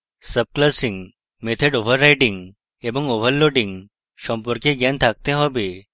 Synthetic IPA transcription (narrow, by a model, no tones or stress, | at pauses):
səb̚klasiŋɡ | met̪ʰəɖoʋəɾːajʈiŋɡ | ebəŋɡoʋəɾloɖiŋɡ | ɕɔmpɔɾkeɡãnt̪ʰak̚t̪ẽɦɔbe